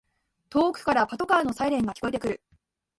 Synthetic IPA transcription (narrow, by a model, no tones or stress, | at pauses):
t̪o̞ːkɯ̟̥kaɾapat̪o̞kaːno̞saiɾẽ̞ŋɡakʲi̥ko̞e̞t̪ekɯ̟ɾɯ̟